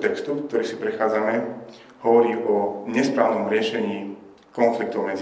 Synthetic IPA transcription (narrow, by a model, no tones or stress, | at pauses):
t̪ɛkst̪ufk̚t̪ɔɾiːsipɾɛxaːd͡zamɛ | hɔʋɔɾiːʔɔɲɛspɾaːʋnɔmɾɪɛʃɛɲiː | kɔnflik̚t̪ɔʊmɛd͡z